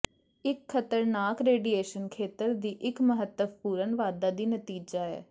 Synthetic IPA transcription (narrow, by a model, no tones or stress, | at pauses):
ɪkʰːət̪əɾnaːkɾeːɖieːʃənkʰeːt̪əɾd̪iːʔɪkməɦət̪ːəbpuːɾənʋaːd̪aːd̪iːnət̪iːd͡ʒaːɛ̰ː